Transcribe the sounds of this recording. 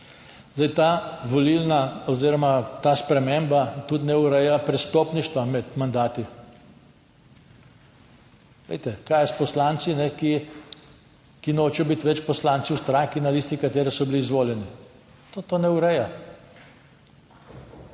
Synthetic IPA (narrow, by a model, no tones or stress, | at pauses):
zd̪ajt̪aʋɔlilnaɔziːɾɔmat̪aspɾɛmembat̪ut̪nɛʊɾɛjapɾɛst̪opniʃt̪ʋamɛt̪mand̪aːt̪i | ʋḛjt̪ɛkaːjɛspɔslant̪sinɛki | kinoːt͡ʃɛjɔbit̪ʋɛt͡ʃpɔslant̪siwst̪ɾaŋkinaliːst̪ikat̪eːɾɛsɔbiliizʋoːljɛni | t̪oːt̪oːnɛuɾɛja